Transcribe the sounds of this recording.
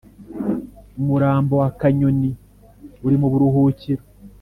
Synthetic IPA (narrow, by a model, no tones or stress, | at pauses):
umuɾaːmbo̞wakaɲoni | uɾimoβuɾuɦuːciɾo